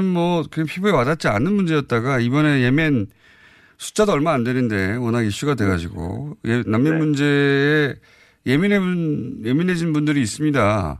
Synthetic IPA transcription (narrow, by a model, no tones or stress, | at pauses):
ɯnmʌkɯaŋpʰibuewadat̚t͡ɕ͈ia̰nɯnmund͡ʑe̞jʌt̚t͈aɡaibʌne̞je̞men | sʰu̥t͡ɕ͈adoʌɭmaaːndwe̞nɯnde̞ʌnaɡiɭɕ͈uɡadwe̞ɡad͡ʑiɡo̰jenamːenmund͡ʑe̞ː | je̞minenje̞minɦe̞d͡ʑinbundɯɾiːs͈ɯmɲida̰